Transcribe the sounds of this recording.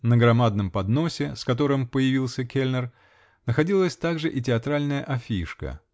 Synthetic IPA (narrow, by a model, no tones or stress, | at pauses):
nəɡɾɐmad̪̚nəmpɐd̪no̞sʲɪskɐt̪o̞ɾɨmpəjɪvʲilˠsʲəkʲelʲnər | nəxɐdʲilˠəsʲt̪aɡʐɨʔɪtʲɪɐt̪ɾalʲnəjə̰ʔɐfʲiʂkə̰